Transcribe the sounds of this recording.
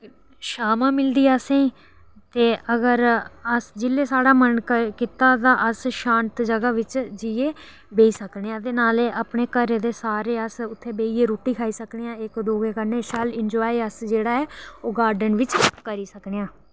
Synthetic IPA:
ʃaːmãːmɪld̪iːasẽːiː | t̪eːəɡəɾəsd͡ʒɪlːeːsaːɽaːmənkɪt̪aːd̪aːʔəsʃãːnt̪d͡ʒəɡaːʋɪt͡ʃd͡ʒiːeː | beːiːsəkneːãːd̪eːnaːleːʔaːpɳeːkəɾeːd̪eːsaːɾeːəsʊt̪ʰːeːbeːiːeːɾoːʈiːkʰaːiːsəkneːãːɪkd̪oːɡeːkəneːsɛːlɪnd͡ʒɔːiːəsd͡ʒeːɽaːɛːoːɡaːɾɖənʋɪt͡ʃkəɾiːsəkneːãː

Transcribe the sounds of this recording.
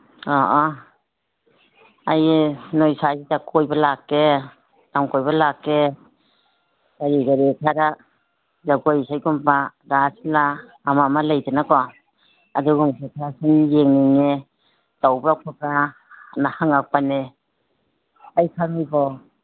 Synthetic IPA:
ɔʔɔ | ajnojsazitakʰɔjbalakːe | taŋkɔjbalakːe | ɡ̥aɾiɡaɾikʰaɾa | zaɡojsajɡumpaɡasilaː | mamalajtenakɔ | a̰duɡɔŋsʰekʰiasinjeŋniŋe | tawbɾakʰɔka | nahaŋak̚pane | ajkʰaŋijbɔ

